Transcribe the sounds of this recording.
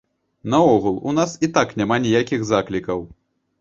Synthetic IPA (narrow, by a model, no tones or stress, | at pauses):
nɐɔɣulˠṵnasit̪aknʲamanʲijakʲiɣzaklʲikɐw